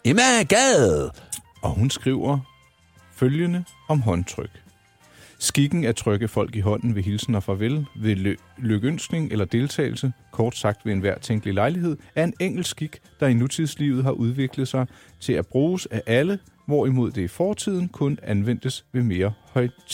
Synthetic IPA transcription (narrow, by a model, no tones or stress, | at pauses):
emæɡ̥ɛð̩ˠ | ɒ̽ɦunsɡ̥ʁiʊ̰ɐ | føljənə | ɒ̽mɦɒ̽nt͡sʰʁœɡ̥ | sɡ̥iɡ̥n̩æt͡sʰʁœɡ̥əfɒ̽l̰ɡ̥iɦɒ̽n̰n̩ʋe̝ɦilsn̩ɒ̽fʁɑ̈ʋelʋe̝ | løɡ̥øn̰sɡ̥ne̝ŋʔelɐd̥e̝lt͡sʰɛ̰ːɪl̩səkʰɒːd̥sɑ̈ɡ̥̚d̥ʋe̝enʋæɐ̰t͡sʰeŋ̰ɡ̥lilɑ̈ɪliɦe̝ð̞̰ˠæɐe̝neŋ̰ɡ̥l̩sɡ̥iɡ̥d̥ɑ̈inut͡sʰiðˠslḭʊð̩ˠɦɑ̈ʔuð̞ˠʋe̝ɡ̥ləðˠsɑ̈ɪ | t͡sʰe̝læb̥ʁuːsæʔælə | ʋɒimo̝ð̞̰ˠd̥e̝ifɒːt͡sʰið̞̰ˠn̩kʰɔ̽nænʋen̰d̥əsʋe̝me̝ːɐhɒ̽ɪ̰